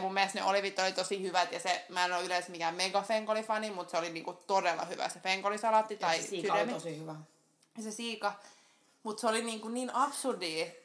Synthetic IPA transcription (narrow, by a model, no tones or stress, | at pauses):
mumːest̪nḛʔoliʋit̪ːolit̪osihyʋæt̪jɑsemæsɑnoˑylesmikæmeiɡɑfeŋkolifɑnimut̪seoliniːŋkut̪odelːˑɑ̰hyʋæ̰sefeŋkolisɑlɑt̪ːit̪ɑisydæmiosihyʋæ | sesiːkɑ | mut̪seoliniːŋkuniːnɑpsurdiː